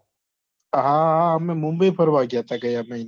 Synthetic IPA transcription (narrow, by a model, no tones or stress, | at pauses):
ɦãːɦəmẽːmʊ̃mbəiːpʰəɾʋaːɡjaːt̪aɡəjaːmẽɪn